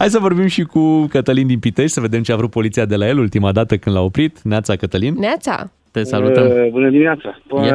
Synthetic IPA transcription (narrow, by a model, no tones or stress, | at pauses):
hajs̬əvo̞rbimʃikukət̪əlind̪inpit̪eʃʲsəve̞d̪e̞mt͡ʃeavɾut̪̚po̞lit̪siad̪e̞laje̞lult̪imad̪at̪əkɨnd̪lao̞pɾit̪neat̪sakət̪əlinneat̪sa̰ | t̪esaluəmbunəd̪iminʲat̪sa